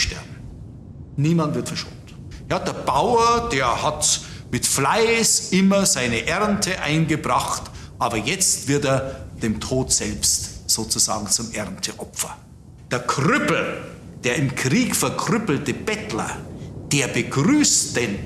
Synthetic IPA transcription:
ʃtɛɐb̚m̩ | niːmantv̥ɪɐtfɛɐʃo̰ːnt | jaːdeːɐb̥aʊɐd̥eːɐhat | mɪtflaɪsʔɪmɐzaɪnəʔɛʁntʰəʔa̰ɪnɡəbʁaχtʔaːbɐjɛt͡stv̥ɪɐteːɐd̥eːmtʰoːtz̥ɛlpstz̥oːt͡suza̰ːɡŋ̩t͡sʊmʔɛʁntʰəʔɔpfɐ̥ | d̥eːɐkʁʏpl̩d̥eːɐɪmkʁiːkfɛɐkʰʁʏpl̩təb̥ɛtlɐ̰d̥eːɐbəɡʁyːstd̥en

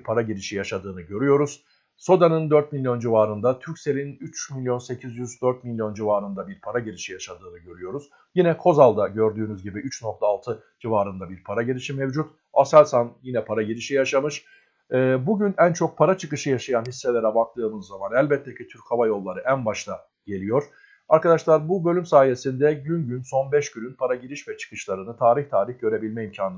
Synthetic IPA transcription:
pʰaɾaɟiɾiʃijaʃad̪ɯːnɯɟø̞ɾyjo̞ɾuz̥ | so̞d̪anɯnd̪øɾt̪̚milʲjo̞nd͡ʒivaːɾɯnd̪at̪ʰyɾcse̞lʲinyt͡ʃmilʲjo̞nse̞cʰizjyzd̪øɾt̪milʲjo̞nd͡ʒivaːɾɯnd̪abiɾpʰaɾaɟiɾiʃijaʃad̪ɯːnɯɟø̞ɾyjo̞ɾuz̥ | jinɛkʰo̞zalˠd̪aɟø̞ɾd̪yːnyzɟibiʔyt͡ʃnok̚t̪ʰaːlˠt̪ʰɯd͡ʒivaːɾɯnd̪abiɾpʰaɾaɟiɾʲiʃimevd͡ʒut̪ | asalʲsanjinɛpʰaɾaɟiɾiʃijaʃamɯʃ | ɛːbuɟynænt͡ʃʰo̞k̚pʰaɾat͡ʃʰɯkɯʃɯjaʃajanɦisːe̞lʲeɾɛbak̚t̪ʰɯːmɯzːamanælʲbɛt̪ʰːecʰit̪ʰyɾchavajo̞lˠːaɾɯʔænbaʃlˠa | ɟ̥e̞lʲijo̞ɾ̥ | aɾkad̪aʃlˠaɾbubø̞lʲymsaːje̞sind̪ɛɟynɟynso̞nbɛʃɟyɾynpʰaɾaɟiɾiʃvɛt͡ʃʰɯ̥kɯ̥ʃlˠaɾɯnɯt̪ʰaːɾiçt̪ʰaːɾiçɟøɾebilʲmɛimcʰaːn

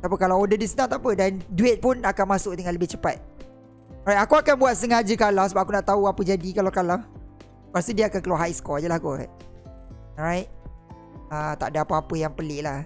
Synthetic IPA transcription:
t̪apəkalawodədisənãt̪apədanduɪt̪̚pʊnakanmãsʊk̚t̪əŋãnləbɪht͡ʃəpa̰t̪̚ | ɾajt̚akuakanbuat̪̚səŋad͡ʒəkalasəbap̚ʔakunaʔt̪auapəd͡ʒadikalakala | past̪udiəakankəluaɦaisə̥kɔd͡ʒəlahkua̰ʔ | ɹajt̪̚ | ət̪a̰ʔdəapəapəjaŋpəlɪʔlah

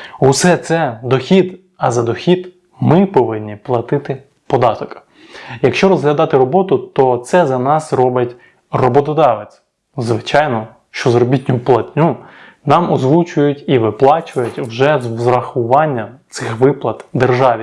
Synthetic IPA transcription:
usɛt̪sɛd̪ɔxʲid̪ | ɐzɐd̪ɔxʲid̪ | mɪpɔʋɪnʲːiplˠɐt̪ɪt̪ɪ | pɔd̪ɑt̪ɔk | jɐkʃt͡ʃɔɾɔzɦlʲɐd̪ɑt̪ɪɾɔbɔt̪ʊt̪ɔt̪sɛzɐnɑsrɔbɪtʲ | rɔbɔt̪ɔd̪ɑʋet͡sʲ | zʋɪt͡ʃɑjnɔ | ʃt͡ʃɔzrɔbʲitʲnʲʊplˠɐtʲnʲu | nɑmɔzlˠut͡ʃʊjʊtʲiʋɪplˠɑt͡ʃʊɐjʊtʲwʒɛzʋzɾɐxʊʋɑnʲːɐt̪sɪxʋɪplˠɐt̪d̪erʒɑʋʲi

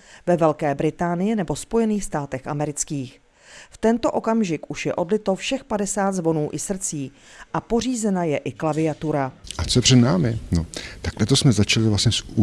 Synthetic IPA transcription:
vɛvɛlkɛːbɾɪt̪aːnɪjɪnɛbo̞spo̞jɛniːxst̪aːt̪ɛxʔamɛɾɪt͡skiːx | ft̪ɛnt̪o̞ʔo̞kamʒɪkʔuʃjɛʔo̞dlɪt̪ofʃɛxpadɛsaːd̪zvo̞nuːʔɪsr̩t͡siː | ʔapo̞riːzɛnajɛʔɪklavɪat̪uɾaʔat͡sojɛpr̝̥ɛdnaːmɪnot̪aklɛt̪osmɛzat͡ʃalɪvlasɲɛsu

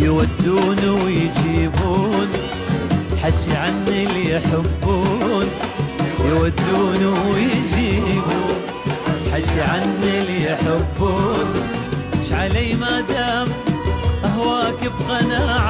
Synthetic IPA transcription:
jwad̪ːuːnuwɪjɪd͡ʒiːbuːn | ħaiʕanːiljħɪbːuːnjɪwad̪ːuːnuwjɪd͡ʒiːbun | ħat̪ːiʕanːilijħɪbːuːn | mɪʃʕalaːmad̪aːmʔahwaːkɪbqɑnaːʕ

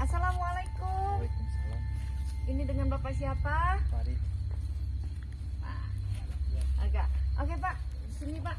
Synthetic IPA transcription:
asalamwalaikʊm | inidəŋanbapasiapa | pa̰ | alaaərɡaʔʔokepaʔ | sənipaʔ

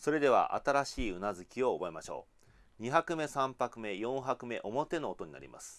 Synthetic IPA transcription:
so̞ɾe̞d̪e̞β̞a̰ʔa̰t̪aɾaɕiːɯ̟nazɨkʲio̞ːbo̞emaɕo̞̰ː | ɲ̟içakɯ̟me̞sãmpakɯ̟me̞jõ̞ɰ̃ɦakɯ̟me̞ʔo̞mo̞t̪e̞no̞ːt̪o̞ɲ̟ina̰ɾʲḭmʔa̰sɨ̥

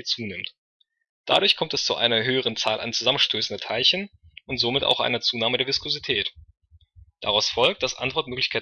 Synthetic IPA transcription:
t͡suːnɪmt | d̥a̰ɾʊɐçkʰɔmtɛst͡suʔa̰ɪnɐɦøːəʁ̞ənt͡saːlʔa̰ɪnt͡suzamən̩ʃtʰøːsn̩dɐtʰaɪlçənʊntz̥omɪta̰ʊxʔa̰ɪnɐt͡suːnaːmədeːɐvɪskʰozitʰɛːt | d̥aʁaʊsfɔlk̚t̚d̥asʔa̰ntv̥ɔɐtmøːklɪçkʰaɪ

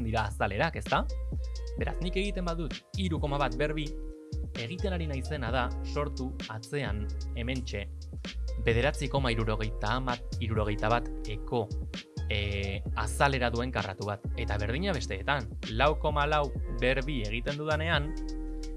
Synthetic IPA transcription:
nd̪iɾaːsale̞ɾake̞st̪a | be̞ɾa̰znike̞ɣ̞it̪e̞mbaðut̪iɾuko̞maβat̪be̞ɾβi | e̞ɣ̞it̪e̞naɾinajse̞nað̞aso̞ɾt̪uat͡se̞ane̞me̞nt͡ʃe̞ | be̞ð̞e̞ɾat͡siko̞maiɾuɾoɣejt̪aiɾuɾo̞ɣ̞e̞jt̪aβ̞at̪e̞ko̞ | asale̞ɾaðue̞ŋkara̰t̪uβat̪e̞t̪aβ̞e̞ɾð̞iɲaβe̞st̪e̞ːt̪an | lawko̞malawbe̞ɾβie̞ɣ̞it̪e̞nd̪uðane̞an

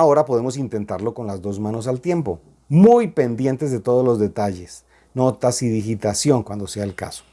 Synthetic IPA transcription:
ao̞ɾapoð̞e̞mo̞sint̪e̞nt̪aɾlo̞ko̞nlazd̪o̞zmãno̞salt̪je̞mpo̞ | mujpe̞nd̪je̞nt̪e̞zðe̞t̪o̞ð̞o̞zlo̞zðe̞t̪aʝe̞s | no̞t̪asiðixit̪asjo̞ŋkwand̪oseaelka̰so̥

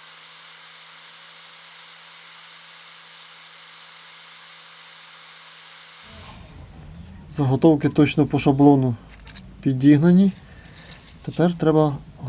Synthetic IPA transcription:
zɐɦɔt̪ɔwkɪt̪ɔt͡ʃnɔpɔʃɐblˠɔnʊ | pʲidʲiɦnɐnʲi | t̪epɛrt̪ɾɛbɐɦ

